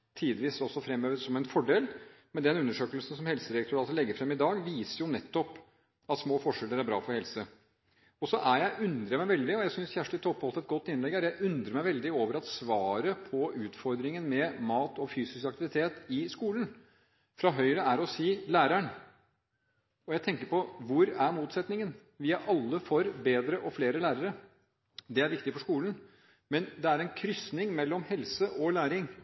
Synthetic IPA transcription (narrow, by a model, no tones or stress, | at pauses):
t̪ʰiːd̪ʋiːsɔsɔfɾɛmːøːʋəɾsɔmɛɪnfɔɖeːlmɛd̪ɛnʉnːəʂøːkəlsn̩sɔmhɛlsəɾɛk̚t̪ʰøːɾɑlsɔlɛɡːəɾfɾɛmːɪd̪ɑːɡʋiːsəɾjʊnɛt̪ːɔp | ɑt̪smoːfɔʂɛlːəɾæɾbɾɑ̰ːfɔɾhɛlsə | ɔsɔʔæɾjæɪʔʉnd̪ɾəjmæɪʋɛld̪ɪɔjæɪsʏnsçæʂʈɪt̪ʰːɔpʰːhɑlt̪ɛt̪̚ɡɔt̪ːɪnlɛɡæɾjæɪʔʉnd̪ɾəɾmæɪʋɛld̪ɪoːʋəɾɑt̪sʋɑːɾəpʰɔʉːt̪fɔɾd̪ɾɪŋənmɛmɑːt̪ɔfyːsɪskɑk̚t̪ɪʋɪt̪ʰeːt̪ɪskuːlən | fɾɑɦœʏɾəæɾɔsiːlæːɾæɳ | ɔjæɪt̪ɛŋkəɾpɔʋʊɾæɾmuːt̪sɛt̪nɪŋən | ʋiːɑʔɑlːəfɔɾbeːd̪ɾəʔɔfleːɾəlæːɾəɾə | d̪ɛæɾʋɪk̚t̪ɪfɔʂkuːlən | mɛnd̪ɛæɾɛnkʰɾʏsnɪŋmɛlːɔmhɛlsəʔɔlæːɾɪŋ